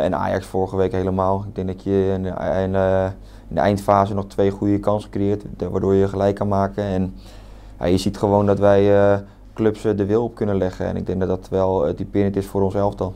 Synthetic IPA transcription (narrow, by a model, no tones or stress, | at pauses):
ɛ̰na̰ːjɑ̰ksfoːrəχəʋejkɦejləmaːlˠɪɡ̚dɛŋk̚dɔtʰjə | n | nəɛ̰jntfaːzənɔχtʰʋejχujəkɑnsəkrɪjɪːtʋa̰ːdoːɹjəχəlɛjkːanmaːkənɛn | ja̰jəzitχəʋoːndɔtʋɛj | kløpsdəʋɪlˠɔp̚kɵnənlɛχəɛ̰nɪ̰ɡ̚dɛŋk̚dɔdɔtʋɛlˠətipɪrəntɪsfʊːɾɔnsɛlˠftɔlˠ